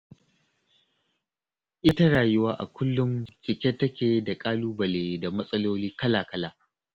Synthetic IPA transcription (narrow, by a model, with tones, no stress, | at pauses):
ʔɪ˦ta˦ɽaː˨jʊ˦waː˦ʔa̰˨kʷʰʊ˦lːʊ˦mt͡ʃʼɪ˨kʲɛ˦tːɐ˦kʲeː˨da˨kʼaː˦luː˦bɐ˨leː˨da˨mɐ˦sʼɐ˦loː˦liː˦kɐ˦laː˨kɐ˦laː˨